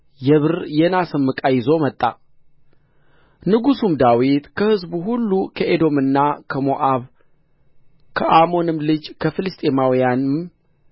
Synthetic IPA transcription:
jɛβɨɾjɛnasɨmːɨkʼajɪzo̞mət̪ʼːa | nɨɡusumd̪awit̪kʰəhɨzbuhulːukʰəʔed̪o̞mɨnːakʰəmoʔaβ | kʰəʔamo̞nɨmlɨd͡ʒkʰəfɨlɨst̪ʼemawijanɨm

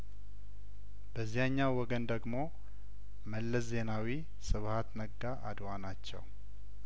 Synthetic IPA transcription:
bəzːijaɲːawwɔɡənd̪əɡmo̞ | məlːəsze̞nawi | sɨβhat̪nəɡːaʔad̪wanat͡ʃːɛ̰w

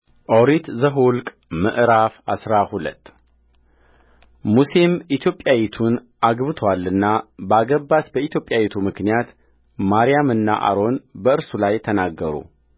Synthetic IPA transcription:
ʔowɾit̪zəɦulkʼ | mə̰ʔɾafa̰sɾahulə̰t̪ː | musimit̪ʰjo̞pʼjawit̪ʰun | ʔaɡβɨt̪ʰwalːɨnːabəaɡəbːat̪bəit̪ʰjo̞pʼːjawit̪ʰumɨknijat̪ | maɾijamɨnːa̰ʔa̰ɾo̞nbəɨɾsulajt̪ʰənaɡːəɾṵ

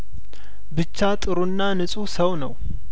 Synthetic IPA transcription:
bɨt͡ʃːat̪ʼɨɾunːanɨsʼusəwnəw

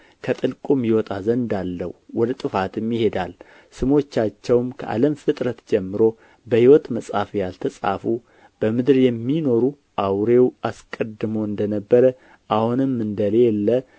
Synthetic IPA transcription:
kʰət̪ʼɨlkʼumjiwɔt̪ʼazənd̪alːə̰huwɔd̪t̪ʼɨfat̪ɨmjɪhe̞d̪al | sɨmo̞t͡ʃːat͡ʃːɛwmkʰəʔa̰ləmfɨt̪ʼɾət̪d͡ʒɛmːɨɾo̞ | bəhiwɔt̪məsʼhafjalt̪ʰəsʼa̰fu | b̥əmɨd̪ɾjɛmːino̞ɾu | ʔawɾe̞waskʼəd̪ɨmoɨnd̪ənəbːəɾə | ʔahunɨmːɨnd̪əlelːə

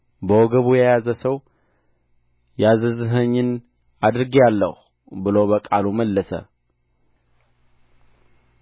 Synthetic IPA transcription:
bəwɔɡəβujɛjazəsəw | jazəzɨɦəɲːɪn | ad̪ɨɾɡijalːə̰hu | bɨləwbəkʼaluməlːəsə̰

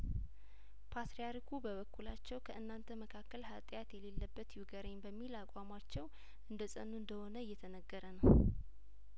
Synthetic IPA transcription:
pʰat̪ɾijaɾikʰubəβəkʰːulat͡ʃːɛwkʰəʔɨnːant̪ʰəməkʰakːəlhat̪ʼjat̪jɛlelːəbːət̪juɡəɾeɲbəmːilakʼwamat͡ʃːɛw | ʔɨnd̪əsʼənːuɨnd̪əho̞nəjːɛt̪ʰənəɡːəɾənəw

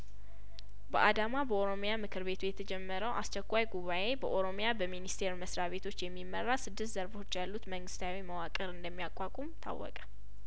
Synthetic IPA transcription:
bəʔad̪amabəoɾo̞mjamɨkʰɨɾβe̞t̪ʰujɛt̪ʰəd͡ʒɛmːəɾəwʔast͡ʃɛkʷːajɡuβaʔe̞bəʔoɾo̞mjabəminist̪ʰe̞ɾməsɾaβe̞t̪ʰo̞t͡ʃːjɛmːimːərːasɨd̪ːɨst̪zəɾbo̞t͡ʃːjalːut̪məŋɡɨst̪ʰawiməwakʼəɾɨnd̪əmːijakʼːakʼumt̪ʰa̰wːɔ̰kʼə̥

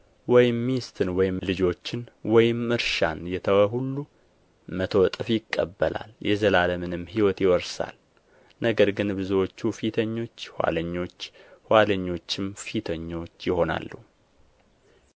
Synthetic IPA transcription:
wɔjɪmːist̪ʰɨnwɔjɪmlɨd͡ʒo̞t͡ʃːɪnwɔjɪmːɨɾʃanjɛt̪ʰəwəɦulːu | mət̪ʰowt̪ʼɨfjɪkʼːəbːəla̰ljʔɛzəlaləmɨnɨmːhiwɔt̪jɪwɔɾsa̰l | nəɡəɾɡɨnbɨzuwot͡ʃːufit̪ʰəɲːo̞t͡ʃːhʷwa̰ləɲːo̞t͡ʃːhaləɲːo̞t͡ʃːɪmfit̪ʰəɲːo̞t͡ʃːjɪho̞na̰lːuhu

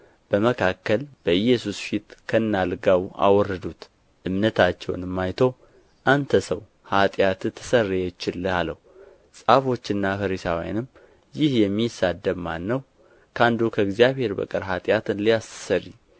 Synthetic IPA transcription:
b̥əməkʰakːəlb̥əjɛsusfit̪kʰənːalɡawʔa̰wɔrːəd̪ut̪ | ʔɨmnət̪ʰat͡ʃːɛ̰wnɨmːajt̪ʰow | ʔant̪ʰəsəw | hat̪ʼjat̪t̪ʰə̥sərːeɛt͡ʃːɪlːhaləhu | sʼafo̞t͡ʃːɨnːafəɾisawja̰nɨm | jɪhjɛmːisad̪ːəbmanːəw | kʰand̪ukʰəɨɡzijaβhe̞ɾbə̰kʼəɾɦat̪ʼjat̪ɨnlijassəɾi

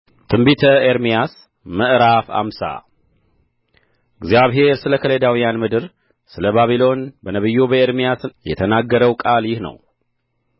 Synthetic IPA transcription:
t̪ʰɨmbit̪ʰəeɾmijas | məʔɾafa̰msa̰ | ɨɡzjaβɦe̞ɾsɨləkʰəled̪awijanmɨd̪ɨɾ | sɨləbaβilo̞nbənəβɨjːubəeɾmijasjɛ̰t̪ʰənaɡːəɾəwkʼaljɪhnə̰w

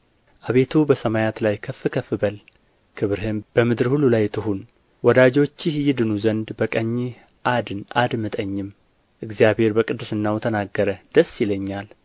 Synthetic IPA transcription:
ʔaβe̞t̪ʰubəsəmajat̪lajkʰəfːɨkʰəfːɨbəl | kʰɨβɨɾɦɨmb̥əmɨd̪ɨɾhulːulajt̪ʰɨɦun | wɔd̪ad͡ʒo̞t͡ʃːɪhjɪd̪ɨnuzənd̪bəkʼəɲːe | ʔad̪ɨnad̪mɨt̪ʼəɲːɪm | ʔɨɡzijaβhe̞ɾbəkʼɨd̪ːɨsɨnːawt̪ʰənaɡːəɾəd̪̥əsːjɪləɲːal

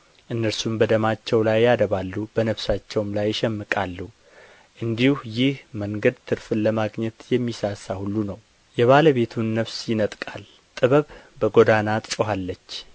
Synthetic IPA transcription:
ʔɨnːəɾsumbəd̪əmat͡ʃːɛwlajːad̪əβalːubənəβsat͡ʃːɛwmlajːɪʃɛmːɨkʼalːu | ʔɨnd̪ihujɪhməŋɡəd̪t̪ʰɨɾfɨnləmaɡɲɛt̪jɛmːisasːahulːunəw | jɛβaləβe̞t̪ʰunːəβsjɪnət̪ʼkʼal | t̪ʼɨβəβbəɡo̞d̪anat̪ʼt͡ʃʼɦalːət͡ʃː

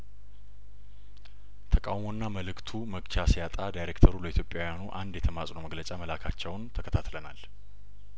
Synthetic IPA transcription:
t̪ʰəkʼawmo̞nːaməlɨkt̪ʰuməɡt͡ʃasijat̪ʼad̪ajɾekt̪ʰəɾuləit̪ʰjo̞pʼːjawjanuʔand̪jɛt̪ʰəmasʼnoməɡlət͡ʃʼaməlakʰat͡ʃːɛwnt̪ʰəkʰət̪ʰat̪ləna̰l

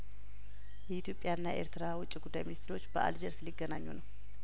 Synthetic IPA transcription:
jɛit̪jo̞pʼːjaɨnːae̞̰ɾt̪ɨɾawʊt͡ʃʼːiɡud̪ːajminist̪ʰɾo̞t͡ʃːbəʔa̰ld͡ʒɛɾsliɡːənaɲːṵnəw

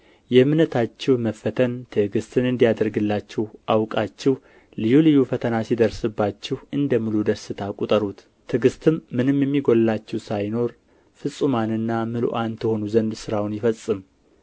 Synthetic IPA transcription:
jɛmɨnət̪ʰat͡ʃːɪhməfːət̪ʰənt̪ʰɨɡɨst̪ʰɨnɨnd̪ijad̪əɾɡɨlːat͡ʃːɪhʔawkʼat͡ʃːɪh | lɨjulɨjufət̪ʰənasid̪əɾsɨbːat͡ʃːɪhɨnd̪əmɨlud̪əsɨt̪ʰakʼut̪ʼəɾut̪ | t̪ʰɨɡɨst̪ʰɨmːɨnɨmjɛmːiɡo̞llat͡ʃːɪwsajno̞ɾ | fɨsʼumanɨnːamɨlṵʔant̪ʰɨho̞nuzənd̪sɨɾawnjɪfəsʼɨm

